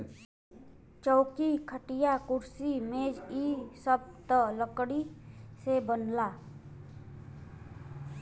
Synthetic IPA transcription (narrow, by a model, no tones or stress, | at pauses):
t͡ʃɔːkikʰəʈijakʊɾsimeːd͡ʒisəb̚t̪ələkɽisebənla